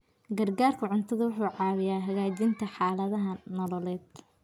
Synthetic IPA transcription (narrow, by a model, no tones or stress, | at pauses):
ɡɐrɡaːrkʰɐʕʊnt̪ʰɐðʊwʊħuːʕɑːwɪjaːɦɐɣaːt͡ʃɪnt̪ʰɐħɑːlɐðɐɦɐnɔlɔlɛːd̪̥